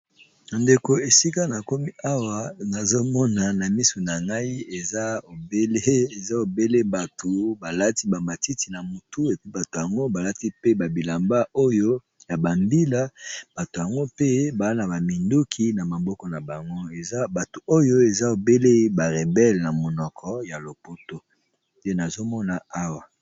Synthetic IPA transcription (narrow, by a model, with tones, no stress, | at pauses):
na˨nde˨ko˨e˨si˦ka˦na˨ko˦mi˦a˦wa˨na˨zo˦mɔ˦na˨na˨mi˦su˨na˨ŋɡa˦i˦e˨za˦o˨be˦le˦e˨za˦o˨be˦le˦ba˨to˨ba˨la˦ti˦ba˨mba˨ti˦ti˨na˨mo˨tu˦e˨pi˦ba˨to˨ja˨ŋɡo˦ba˨la˦ti˦pe˦ba˨bi˨la˨mba˦o˦jo˦ | ja˨ba˨mbi˦la˦b̥a˨to˨ja˨ŋɡo˦pe˦ba˨˦na˨ba˨mi˨ndu˦kʰi˦na˨ma˨bɔ˦kɔ˨na˨ba˨ŋɡo˦e˨za˦ba˨to˨o˦jo˦e˨za˦o˨be˦le˦ba˨ʁe˨bɛ˦lna˨mo˨nɔ˨kʰɔ˦ja˨lo˨po˦to˦ | e˦na˨zo˦mɔ˦na˨a˦wa˨